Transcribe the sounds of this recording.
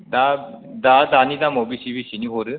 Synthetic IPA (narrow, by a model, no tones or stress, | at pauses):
d̪ad̪ad̪anid̪amobisibisiniɦoɾɯ